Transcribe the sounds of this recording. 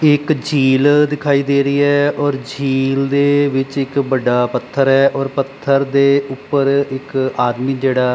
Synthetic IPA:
ɪkd͡ʒʱiːld̪ɪkʰaːiːd̪eːɾəiːɛːɔːɾd͡ʒʱiːld̪eːʋɪt͡ʃɪkbəɖaːpət̪ʰːəɾɛːʔɔːɾpət̪ʰːəɾd̪eːʊpːəɾɪkaːd̪miːd͡ʒeːɽaː

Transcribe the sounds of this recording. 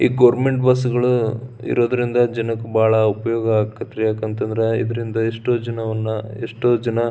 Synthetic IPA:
iːɡɐːɾmeɳʈbɐs̬ɡɐɭuḭɾoːd̪ɐɾind̪ɐd͡ʒɐnɐkːubaːɭɐupɐjɔːɡɐaːkːɐt̪ːɾejaːkent̪ɐnd̪ɐɾeḭd̪ɐɾind̪ɐeʂʈoːd͡ʒɐnɐʋɐnːɐeʂʈoːd͡ʒɐnɐ

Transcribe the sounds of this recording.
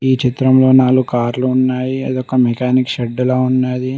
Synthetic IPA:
iːt͡ʃit̪ɾɐmlo̞ːnaːlukaːɾluːnːaːjiɐd̪ɔkɐmɛkaːnikʃɛɖːɐloːunːaːji

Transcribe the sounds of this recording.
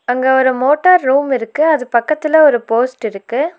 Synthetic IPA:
ɐŋɡɐɔɾɯmoːʈːɐɾːuːmɪɾɯkːɯɐðɯpɐkːɐt̪ːɪlɐɔɾɯpoːsʈɪɾɯkːɯ

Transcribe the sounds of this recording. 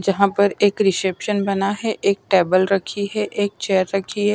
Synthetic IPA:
d͡ʒɐɦãpɐɾeːkɾɪsɛpʃənbɐnaɦɛʔeːk̚ʈeːbəlɾɐkʰiɦɛʔeːk̚t͡ʃɛːəɾːɐkʰiɦɛː

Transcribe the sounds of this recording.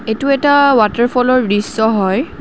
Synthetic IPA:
etuɛtawataɹpʰɔlɔɹɹisːɔɦɔj

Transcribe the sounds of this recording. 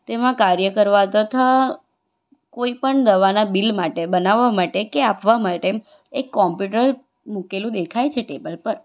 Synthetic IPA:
t̪emãkaɾjəkəɾʋat̪ət̪ʰa | koipəɳd̪əʋanabilmaʈebənaʋːamaʈekeapʋamaʈe | ekːɔmpjuʈəɾ | mukelũd̪ekʰajt͡ʃʰeʈebəlpəɾ

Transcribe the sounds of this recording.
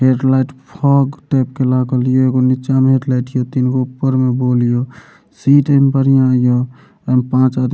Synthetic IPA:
ɦeʈlajʈpʰɔɡʈep̚kelaɡəlijoeɡonit͡ʃameɦeʈlaɪʈijot̪inɡopːəɾmebolijo | siʈəmbəɾijãjo | əmpãt͡ʃad̪

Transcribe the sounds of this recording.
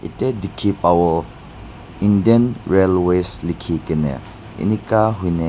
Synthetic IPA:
ḭtedikʰipawɔ | indienɾelweslikʰikɛnḛ | ḭnikaɦujne

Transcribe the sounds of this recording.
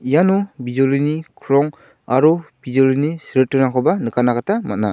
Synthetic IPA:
ijanubizolinikʰɾɔŋ | aɾub̥izolinisiɾɯtːɯnaŋkʰɔbanɯkʰanakatʰamat̚na

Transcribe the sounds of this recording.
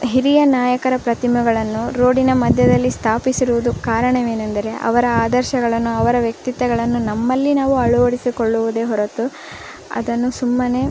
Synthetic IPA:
ɦiɾijɐnaːjɐkɐɾɐpɾɐt̪imuɡɐɭɐnːuɾo̞ːɽinɐmɐd̪ʱjɐd̪ɐlːist̪ʰaːpisiɾuʋud̪ukaːɾɐɳɐʋe̞ːnɐnd̪ɐɾe̞ʔɐ̰ʋɐɾɐaːd̪ɐɾʃɐɡɐɭɐnːuɐʋɐɾɐʋjɐk̚t̪it̪ʋɛɡɐɭɐnːunɐmːɐlːinaːʋuɐɭuʋɐɽisikoɭːuʋud̪e̞ːɦɔɾɐt̪u | ɐ̰d̪ɐnːusumːɐne̞ː

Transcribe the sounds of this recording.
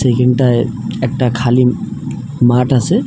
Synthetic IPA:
sekeɳɖʈaj | ɛk̚ʈakʰali | maʈase

